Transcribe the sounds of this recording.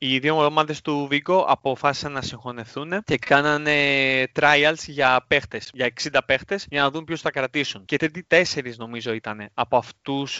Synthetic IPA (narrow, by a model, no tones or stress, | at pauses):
iðiomoðomɐðe̞st̪uviɡo̞ʔɐ̰po̞fɐsi̥sɐnnːɐsiŋxo̞ne̞θunece̞kɐnɐnet̪ɾɐjɐlsʝɐpe̞xt̪e̞sʝɐe̞ksind̪ɐpe̞xt̪e̞sʝɐnɐðumpço̞sθɐkɾɐt̪isunce̞t̪ɾit̪it̪e̞se̞ɾizno̞mizo̞it̪ɐne̞ɐpo̞ɐft̪us